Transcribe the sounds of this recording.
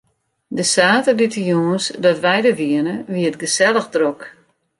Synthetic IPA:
dəsaːtəditəjoənsdɔtʋɛjdəʋiənəʋiətɡəsɛlˠəxdrok

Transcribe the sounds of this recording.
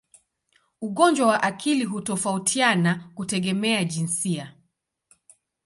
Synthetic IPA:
uɠɔnd͡ʒwawaʔakʰiliɦutɔfautʰianakutɛɠɛmɛaʄinsia

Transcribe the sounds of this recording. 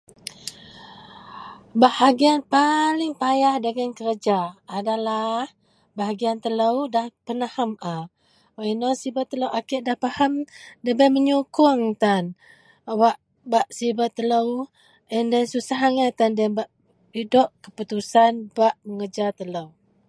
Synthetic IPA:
bahaɡianpalɪŋpajahdəɡənkəɾəd͡ʒaːdalah | baɦaɡiant̪ələwdahpənahama | inosibat̪ːələwʔakɪʔdahpahamdəbaməɲukʊŋt̪an | waʔ | baʔsibat̪ːələw | əndansusaɦaŋat̪andɛbaʔ | idɔʔkəput̪usanbaʔməŋəd͡ʒat̪ələw

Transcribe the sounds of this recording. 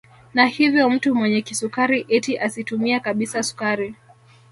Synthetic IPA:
nahivjɔm̩tumwɛɲɛkisukaɾiʔɛtiʔasitumiakaɓisasu̥kaɾi

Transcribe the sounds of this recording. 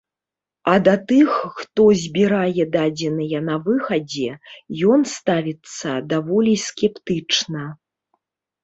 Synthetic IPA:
ɐd̪ɐt̪ɨxːt̪ɔzʲbʲiɾajɛd̪ad͡zʲɛnɨjɐnɐvɨxɐd͡zʲɛjɔnst̪avʲit̪sːɐd̪avɔlʲisʲkʲɛpt̪ɨt͡ʂnɐ

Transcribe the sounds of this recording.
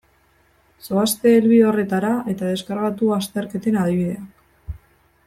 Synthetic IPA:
so̞ast̪e̞ːlβio̞re̞t̪aɾae̞t̪aðe̞skaɾɣat̪uast̪e̞ɾke̞t̪e̞nað̞iβiðe̞a

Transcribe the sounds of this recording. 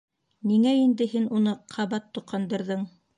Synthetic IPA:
niŋæind̪ɘ̆ɦinunɤqʰɑβɑt̪ːŏqɑnd̪ɤ̆ɾðɤɴ

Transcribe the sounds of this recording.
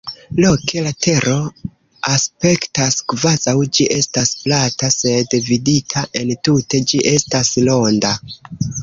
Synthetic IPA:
lo̞kʰe̞latʰe̞ɾʔo̞ | aspe̞ktaskvazawd͡ʒiʔe̞stasplatase̞dviditʰaʔe̞ntute̞d͡ʒiʔe̞staslo̞nda

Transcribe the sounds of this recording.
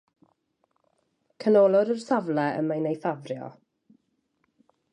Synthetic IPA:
kʰənoːlˠɔɾərsavlɛə̰majnejθavrjɔ̰

